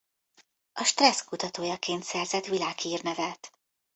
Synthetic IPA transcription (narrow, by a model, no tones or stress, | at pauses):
ɒʃt̪rɛskut̪ɒt̪oːjɒkeːnt̪sɛrzɛt̪ʋilaːɡhiːrnɛvɛlt̪